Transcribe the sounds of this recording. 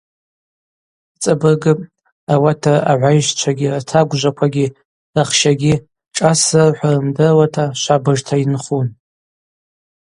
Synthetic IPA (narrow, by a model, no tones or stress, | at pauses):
t͡sʼabɨrɡɨpʼ | awatʰaaʕʷajʃt͡ʃʷʰaɡʲiratʰaɡʷʒʷakʷʰaɡʲi | raχʃaɡʲi | ʈ͡ʂʼasɨrħʷarɨmdɨrwatʰaʃʷabɨʐtʰainχun